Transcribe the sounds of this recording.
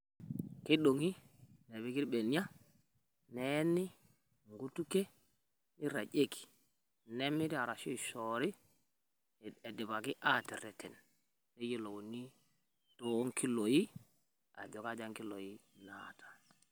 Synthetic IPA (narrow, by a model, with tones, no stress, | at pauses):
ke˦ɗo˨ŋi˦ | ne˨bi˦ki˦ɾɓe˨ni˦ja˦ | nɛ˦ni˦ | ŋɡu˦tu˦ke˦ | ni˦ɾa̰˨d͡ʒe˦ki̥˨ | nɛ˦mi˦ɾi˦a˨ɾa˨so˦˨so˨ɾi˦ | e˨di˨ba˨ki˦ʔa˦ti˨ɾɛ˨tʰɛ˨n | ne˦ji˦lo˨wo˨ni˦ | to˨˦ŋki˦lo˨ji˦ | a̰˨d͡ʒo˨ka˦d͡ʒa˦ŋki˦lo˨ji˦natʰḁ˨